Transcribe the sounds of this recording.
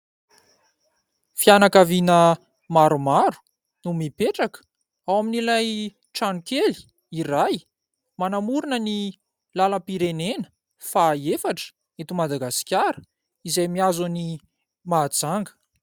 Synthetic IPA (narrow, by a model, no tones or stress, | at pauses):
fianakavinə | maɾumaɾu̥ | numipeʈ͡ʂakə̥ | awaminilaj | ʈ͡ʂanukeli̥ | iɾaj | manamuɾunəni | laləpiɾenenə̥ | faefaʈ͡ʂə̥ | et̪umad̪aɡasi̥kʲjaɾə̥ | izajmiazuni | maːd͡zaŋɡə̥